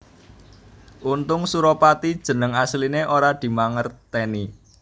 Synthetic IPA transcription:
ʔunt̪ʊŋsuɾopat̪id̥ʒ̥ə̤nəŋaslineʔoɾad̪̥i̤maŋərt̪eni

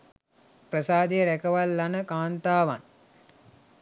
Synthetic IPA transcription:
prəsaːd̪ejɾækəʋalːanəkaːnt̪aːʋa̰n

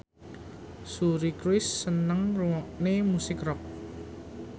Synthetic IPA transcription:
suɾikɾwɪsːənəŋruwɔʔnemusɪkrɔk̚

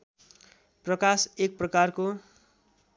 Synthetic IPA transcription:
prʌkasek̚prʌkarko

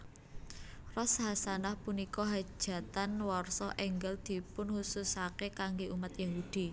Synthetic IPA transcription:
rɔsɦasanahpunikɔɦḁʒ̥ä̤t̪anwɔrsɔʔɛŋɡəld̪̥i̤pʊnhusʊsakekaŋɡeʔumat̪jaɦud̪̥i̤

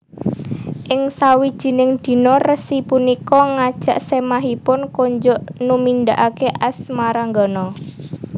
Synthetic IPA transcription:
ʔɪŋsawid̥ʒ̥i̤nɪŋd̪̥i̤nɔrəsipunikɔŋad̥ʒ̥ä̤ʔsemaɦipʊnkoɲd͡ʒɔʔnumind̪aʔakeʔasmaɾaŋɡɔnɔ

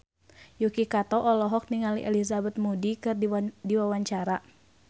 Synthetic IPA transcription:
jukikat̪ɔʔɔlɔɦɔk̚niŋalḭʔɛlizabɛt̪̚mudikɨrddiwawaɲt͡ʃaɾa

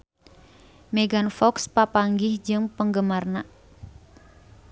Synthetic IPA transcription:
mɛɡanfɔkspapaŋɡɪhd͡ʒɨŋpəŋɡəmarna

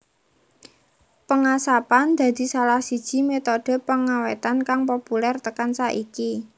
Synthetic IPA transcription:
pəŋasapand̪̥a̤d̪̥i̤salahsid̥ʒ̥i̤met̪oɖ̥ə̤pəŋawet̪ankaŋpopulɛrt̪əkansaʔiki

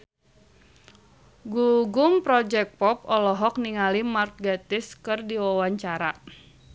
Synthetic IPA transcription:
ɡuɡumpɾɔd͡ʒɛk̚pɔp̚ɔlɔɦɔk̚niŋalimart̪̚ɡat̪ɪskɨrdiwawaɲt͡ʃaɾa

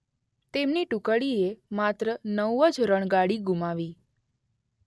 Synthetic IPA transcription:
t̪emniʈukəɽiemat̪ɾənəwəd͡ʒɾəɳ̃ɡaɽiɡumaʋi

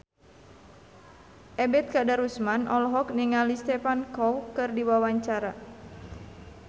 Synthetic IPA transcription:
ʔɛbɛt̪̚kadaɾusmanʔɔ̰lɔɦɔk̚niŋalist̪ɛfankɔwkɨrdiwawaɲt͡ʃaɾa

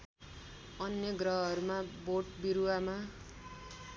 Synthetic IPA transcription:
ʌnjʌɡrʌɦʌɾumaboʈbiɾuwama

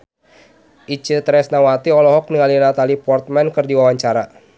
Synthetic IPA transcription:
ʔit͡ʃɨt̪ɾɛsnawat̪iɔlɔɦɔk̚niŋalinat̪alipɔrt̪̚mɛnkɨrdiwawaɲt͡ʃaɾa

